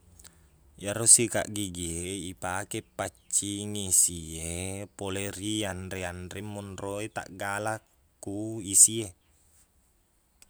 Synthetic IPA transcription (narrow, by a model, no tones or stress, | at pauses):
jaɾosika̰ʔɡiɡieipakepːat͡ʃːiŋisiepoleɾiandeandɾemːunroet̪a̰ʔɡala | kuisie